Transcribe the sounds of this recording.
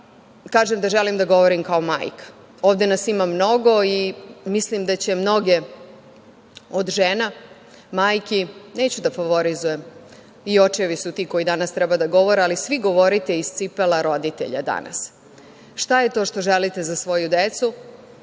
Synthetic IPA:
kaːʒemd̪aʒelimd̪aɡo̞ʋoɾimkaoma̰ːjkḁ | oːʋd̪enasimamno̞ɡo̞imislimd̪at͡ɕe̞mno̞ɡe̞ | od̪ʒeːna | maːjkineːt͡ɕud̪afaʋoɾizujem | io̞t͡ʃeʋisut̪iːko̞id̪anast̪ɾɛbad̪aɡo̞ʋo̞ɾealisʋiɡo̞ʋo̞ɾit̪e̞ist̪sipelˠaɾo̞d̪it̪ḛʎa̰d̪a̰na̰s | ʃt̪aje̞t̪o̞ːʃt̪oʒelit̪e̞zasʋo̞jud̪et̪su

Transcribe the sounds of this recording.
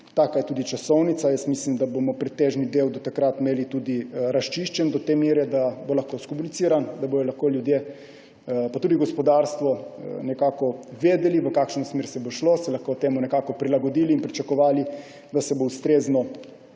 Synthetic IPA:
t̪aːkajɛt̪uːd̪it͡ʃasɔwnit̪sajəsmislimd̪abomɔpɾɛt̪ːeːʒnid̪eːwd̪ɔt̪akɾat̪meːlit̪uːd̪iɾast͡ʃiʃt͡ʃɛnd̪ɔt̪emjeːɾɛd̪abolaxkoskomunit̪siːɾand̪aboj̪ɔlaxkoljud̪je | pat̪uːd̪iɡɔspɔd̪aɾst̪ʋɔnɛkaːkɔʋeːd̪ɛliʋəkaːkʃnɔsmeɾsɛboʃlosɛlaxkoːt̪eːmunɛkaːkɔpɾilaɡɔd̪iːliːnpɾit͡ʃakɔʋaːli | d̪asɛboust̪ɾeːznɔ

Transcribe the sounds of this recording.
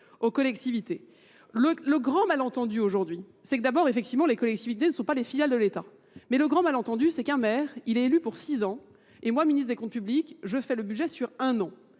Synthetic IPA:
okɔlɛkt̪ivit̪e | lələɡʁɑ̃malɑ̃t̪ɑ̃d̪yoʒuʁd̪ɥi | sɛkəd̪abɔʁefɛkt̪ivmɑ̃lekɔlɛk̚t̪ivit̪enəsɔ̃palefiljald̪əlet̪a | mɛləɡʁɑ̃malɑ̃t̪ɑ̃d̪ysɛkɛ̃mɛʁilɛelypuʁsizɑ̃ | emwaminisχd̪ekɔ̃t̪̚pyblikʒəfɛləbyʒɛsyʁɛ̃nɑ̃

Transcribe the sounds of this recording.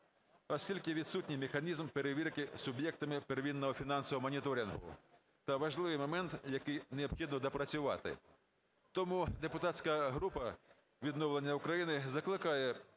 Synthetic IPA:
ɔsʲkʲilʲkɪʋʲid̪sutʲnʲijmexɐnʲizmpeɾeʋʲirkɪsʊbjɛk̚t̪ɐmɪpeɾʋʲinːɔɦɔfʲinɑnsɔʋɔmɔnʲit̪ɔɾʲinɦʊ̰ | t̪ɐʋɐʒlˠɪʋɪjmɔmɛnt̪jɐkɪjneɔpxʲid̪nɔd̪ɐpɾɐt͡sʲʊʋɑ̰t̪ɪ̰ | t̪ɔmud̪epʊt̪ɑt̪ʲsʲkɐɦɾupɐ | ʋʲid̪nɔwlˠenʲːɐukɾɐjinɪzɐklˠɪkɑjɛ

